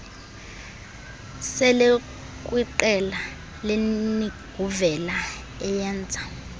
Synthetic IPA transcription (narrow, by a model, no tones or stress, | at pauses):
sɛle | k̬ʼwiǃɛla | leniɡ̥ʱuvɛla | ɛjɛːnd͡zʱḁ